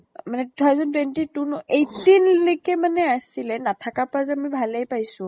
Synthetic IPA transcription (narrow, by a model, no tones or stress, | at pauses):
manɛtutʰawzɔntwentitunɔejtinlokɛmanɛasilɛnatʰakapazɛamibʱalejpajsʊ̃